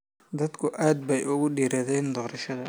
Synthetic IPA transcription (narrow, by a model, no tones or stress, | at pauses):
d̪ɐd̪kʰʊʔaːd̪̚bɛjʔʊɣʊɖiːɾɐðɛːnd̪ɔːɾɐʃɐðɐ